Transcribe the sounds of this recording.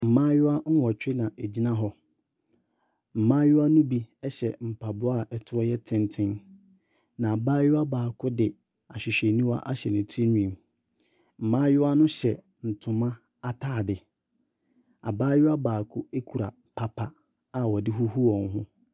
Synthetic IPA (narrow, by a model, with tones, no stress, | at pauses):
m̩˨mãː˦jʊ˦a˦ŋ̩˦wɔ˨t͡ɕᶣɪ˦nã˨ʔe˨d͡ʑi˦nã˦ɦɔ˦ | m̩˨mãː˦jʊ˦a˦nʊ̃˦bi˦ɛ˦ɕɛ˨m̩˨pʰa˨bʊ˦a˦˨ʔɛ˨tʰʊ˦ɔ˦jɛ˦tʰɪ̃˦ntʰɪ̃˦n | nã˨a˨baː˦jʊ˦a˦baː˨kʰʊ˦dɪ˨ | a˨ɕᶣɪ˨ɕᶣɛ˨nĩ˦wa̰˦ʔa˦ɕɛ˨nʊ̃˨tʰi˦ɲĩ˨m | m̩˨mãː˦jʊ˦a˦nʊ̃˦ɕɛ˨ | n̩˨tʰʊ̃˨mã˦ | a˦tʰaː˦˨dɪ˨ | a̰˨baː˦jʊ˦a˦baː˨kʰʊ˦e˦kʰu˨ɾa˨ | pʰa˦pʰa˨ | a˨wɔ˨dɪ˦ɦu˦hu˦wɔ̃˨ŋ˦ɦʊ̃˦